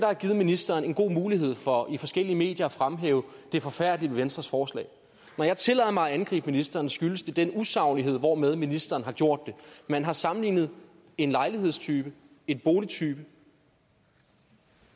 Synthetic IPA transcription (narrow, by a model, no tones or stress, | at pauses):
d̥ɑhæɡ̥iːð̞̩ˠminisd̥ɐːne̝nɡ̥o̝̰ːmuːliɦe̝ð̰ˠfɒifɒ̽sɡ̥el̰iəme̝̰ːd̥jɐæfʁamɦḛːʊə | d̥e̝fɒ̽fæɐ̰d̥liʋeʋensd̥ʁɐsfɒːslɛ̰ːɪ | nɒjɑ̈t͡sʰe̝lɛ̰ːðˠɐmɑ̈ɪænɡ̥ʁḭːb̥minisd̥ɐːnsɡ̥yləsd̥e̝d̥enusɑ̈ʊnie̝ð̰ˠʋɒmeð̞ˠminisd̥ɐːn̩hɑ̈ɡ̥jo̝ɐ̰d̥ːe̝mænɦɑ̈sɑ̈mn̩lḭːnð̞̩ˠ | e̝nlɑ̈ɪliɦe̝ð̰ˠst͡sʰyːb̥ə | e̝d̥̚b̥o̝ːlit͡sʰyːb̥ə